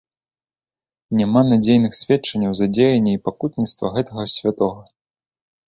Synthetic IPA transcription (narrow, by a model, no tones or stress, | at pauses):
nʲamanad͡zʲejnɨxsʲvʲɛt͡ʂɐnʲːɐwzɐd͡zʲejɐnʲːɛipakut̪nʲit̪st̪vɐɣɛt̪ɐɣɐsʲvʲat̪ɔɣɐ